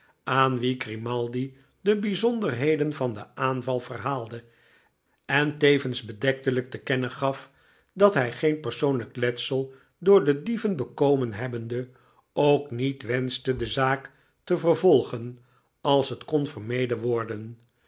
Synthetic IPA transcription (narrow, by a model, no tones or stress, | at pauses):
ʔaːnʋiɡrimɑlˠdi | dəbizɔndərɦejdənvɑndə̰ʔaːnvɑlˠvərɦaːlˠdə | ɛntejvənzbədɛk̚tələk̚təkɛnəχɑf | dɑtɦɛjχejnpərsownləklɛtsəlˠ | dʊːɹdədivənbəkowmənɦɛbəndə | owknitʋɛnstədəzaːk | təvərvɔlˠχən | ɑlˠsɦətkɔnvərmejdəʋɔɹdən